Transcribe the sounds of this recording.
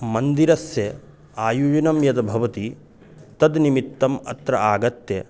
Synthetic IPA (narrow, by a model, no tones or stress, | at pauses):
mɐnd̪iɾɐsjɐ | aːjuːd͡ʒɐnɐmjɐd̪ɐbʱɐʋɐt̪i | t̪ɐd̪nimit̪ːɐmɐ̰t̪ɾɐaːɡɐt̪jɐ